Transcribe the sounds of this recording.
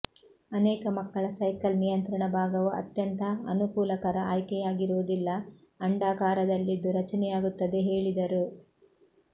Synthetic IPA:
ɐnɛːkɐmɐkːɐɭɐsɐjkɐlnijɐnt̪ɾɐɳɐbʱaːɡɐʋuʔɐ̰t̪jɐnt̪ɐɐ̰nukuːlɐkɐɾɐa̰ːjkɛjaːɡiɾuʋud̪ilːɐː | ɳɖaːkaːɾɐd̪ɐlːid̪ːuɾɐt͡ʃɐnɛjaːɡut̪ːɐd̪e̞ɦe̞ːɭid̪ɐɾu

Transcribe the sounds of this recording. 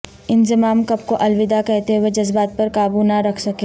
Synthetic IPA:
ɪnzɪmaːmkɐb̚koʔɐlʋɪd̪akɛɦt̪eɦwed͡ʒɐzbaːt̪̚pɐɾkaːbunaɾɐkʰsɐkeː

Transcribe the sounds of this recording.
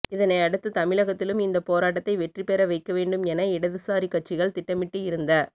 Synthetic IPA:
ɪðɐnɐɪɐɽɯt̪ːɯt̪ɐmɪɭɐɣɐt̪ːɪlɯmɪnd̪ɐpoːɾaːʈ̬ːɐt̪ːɐɪʋɛʈripɛɾɐʋɐɪkːɐʋeːɳɖɯmɛnɐɪɽɐðɯsaːɾikːɐʈ̚t͡ʃːɪɣɐɭt̪ɪʈːɐmɪʈːɯjɪɾɯnd̪ɐ

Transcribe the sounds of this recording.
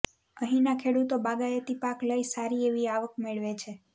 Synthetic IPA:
əɦĩnakʰeɽut̪obaɡaet̪ipakləisaɾieʋiaʋəkmeɭʋet͡ʃʰe

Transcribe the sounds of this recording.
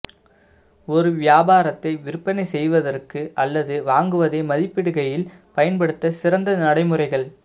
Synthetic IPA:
ɔɾɯʋɪjaːbaːɾɐt̪ːɐɪʋɪɾɯpːɐnɐɪsɛjʋɐðɐrkɯʔɐlːɐðɯʋaːŋɡɯʋɐðɐɪmɐðɪpːɪɽɯɣɐjɪl | pɐjɐnpɐɽɯt̪ːɐsɪɾɐnd̪ɐnɐɽɐɪmɯrɐɪɣɐɭ

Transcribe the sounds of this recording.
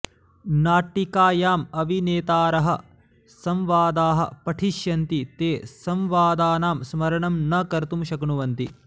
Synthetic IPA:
naːʈːikaːjaːmɐʋineːt̪aːɾɐɦɐ | sɐmʋaːd̪aːɦɐ̰pɐʈʰiʃjɐnt̪it̪eːsɐmʋaːd̪aːnaːmsmɐɾɐɳɐmnɐkɐɾt̪umʃɐkɳuʋɐnt̪i

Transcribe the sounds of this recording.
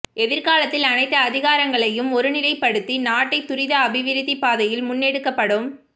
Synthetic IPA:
ɛðɪɾkaːlɐt̪ːɪlɐnɐɪt̪ːɐːðɪɣaːɾɐŋɡɐɭɐjɯmɔɾɯnɪlɐɪpːɐɽɯt̪ːinaːʈːɐɪt̪ːʊɾɪðɐːbɪʋɪɾɪðipːaːðɐjɪlmʊnːɛɽɯkːɐpːɐɽɯm

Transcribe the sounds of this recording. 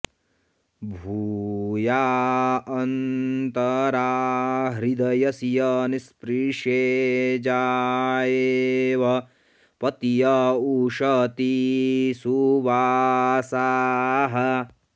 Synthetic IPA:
bʱuːjaːɐnt̪ɐɾaːɦɾid̪ɐjɐsijɐnispɾiːʂeːd͡ʒaːjeʋɐ | pɐt̪ijɐuːʃɐt̪isuʋaːsaːɦɐ

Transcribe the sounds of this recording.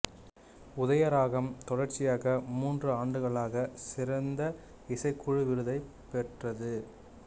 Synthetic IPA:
ʊðɐjɐɾaːɣɐmt̪ɔɻɐrt͡ʃɪjaːɣɐmuːndrɯaːɳɖɯɣɐɭaːɣɐsɪɾɐnd̪ɐ | ɪsɐɪkːʊɻɯʋɪɾɯðɐɪ | pɛʈrɐðɯ

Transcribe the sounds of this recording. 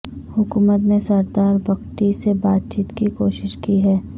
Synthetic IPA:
hʊkuːmət̪nesɐɾd̪aːɾbɐkʈisebaːt̪̚t͡ʃiːt̪kikoːʃɪʃkiɦɛː

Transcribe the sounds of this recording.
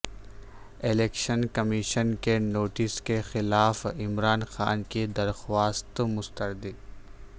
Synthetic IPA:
ɪleːkʃənkɐmiːʃənkenoːʈɪskexɪlaːfɪmɾaːnxaːnkid̪ɐɾxwaːst̪mʊst̪əɾd̪i

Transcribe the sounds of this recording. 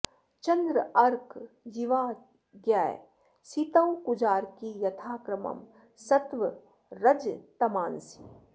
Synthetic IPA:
t͡ʃɐ̃nd̪ɾəɐɾkʰ | jiʋaː | ɡjaːe | sit̪əwkʊd͡ʒaːɾkijɐt̪ʰaːkɾəmɐ̰m | sɐt̪ʋə | ɾɐd͡ʒt̪ɐmaːnsi̥

